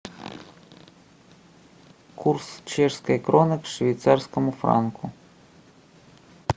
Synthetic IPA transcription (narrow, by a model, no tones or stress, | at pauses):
kʰuɾst͡ʃɛʃskaɛkɾɔnəkʃvijt̪saɾskəmufɾa̰ŋkʰu